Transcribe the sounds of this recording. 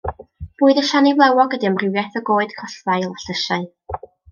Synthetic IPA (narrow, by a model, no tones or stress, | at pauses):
b̥uːɨðəʃanivlˠɛwɔɡədiəmrɪwjɛθɔɡoːɨd̥kʰɔɬvajlˠaɬəʃaɨ